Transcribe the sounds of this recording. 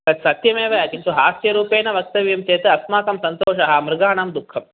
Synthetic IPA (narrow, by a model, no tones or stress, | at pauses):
kɐt̪sɐt̪jɐmeːʋɐjaːkit͡ʃʰuɦaːsjɐɾuːpeːnɐʋɐk̚t̪ɐʋjɐmt̪eːt̪ɨɐsmaːkɐmsɐnt̪oːʃɐɦɐmɾɪɡaːɳamd̪ukʰːɐm